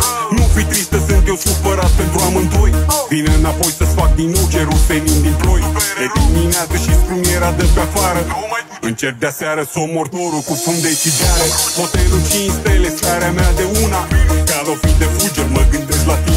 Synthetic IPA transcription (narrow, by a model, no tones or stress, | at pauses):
nufit̪ɾist̪əsɨnt̪jewsupəɾat̪̚pe̞nt̪ɾuamɨnt̪ojvineɨnapo̞jsəsfak̚d̪inut͡ʃeɾulsenimd̪inpojed̪imineat̪səʃispɾimieɾad̪əpeafaɾə | ɨnt͡ʃer̚d̪easeaɾəsomo̞rt̪o̞ɾulkufund̪et͡ʃid̪aɾepot̪ejɾut͡ʃinst̪elest̪aɾeamead̪e̞unakalofid̪efud͡ʒəməɡɨnd̪est̪lat̪i